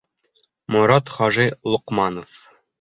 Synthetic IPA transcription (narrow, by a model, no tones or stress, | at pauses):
mŏɾɑt̪χɒʒɤlˠŏqmɑnof